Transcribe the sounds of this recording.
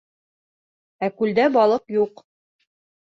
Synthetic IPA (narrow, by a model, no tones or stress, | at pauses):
ækʉld̪æbɑlˠɤqjuq